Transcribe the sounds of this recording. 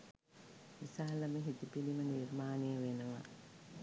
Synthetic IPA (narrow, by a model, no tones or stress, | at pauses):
ʋisaːləməɦit̪upilimənirmaːnejəʋenəʋa̰